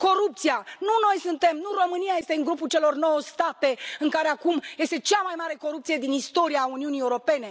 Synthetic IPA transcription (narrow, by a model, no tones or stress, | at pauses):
ko̞ɾup̚t̪sijanuno̞jsɨnt̪e̞mnuro̞mɨnijaje̞st̪e̞ɨŋɡɾupult͡ʃe̞lo̞rno̞wost̪at̪e̞ɨŋkaɾe̞akumje̞st̪e̞t͡ʃamajmaɾe̞ko̞ɾup̚t̪sije̞d̪inist̪o̞ɾijauniunieuɾo̞pe̞ne̞